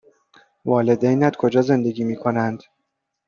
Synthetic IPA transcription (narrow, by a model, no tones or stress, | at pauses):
vɒːle̞d̪ejnæd̪kʰo̞d͡ʒɒːze̞nd̪e̞ɡiːmiːkʰo̞nænd̪̥